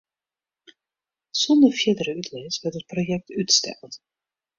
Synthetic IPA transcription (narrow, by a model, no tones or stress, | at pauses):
sɔndərfjɪdəɾəytʰlesʋɛrtət̚projɛk̚tytstɛ̰lˠt